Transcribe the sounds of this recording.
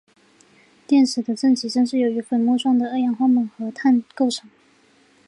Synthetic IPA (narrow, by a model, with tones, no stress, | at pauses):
t̪jɛ˥˩nʂɻ̩˨˩d̪ə˧˦ʈ͡ʂɤ˥˩ŋt͡ɕʰi˧˥ʈ͡ʂɤ˥ŋʂ̬ɻ̩˥˩jo˧˥ʊy˧˥fə˨˩nmwɔ˥˧ʂwɑ˥˩ŋd̪ə˩ə˥˩jɑ˧˥ŋxwɑ˥˧mə˨˩nxɤ˧˥t̪ʰa˥˧nko˥˩ʊʈ͡ʂʰɤ˨˩˦ŋ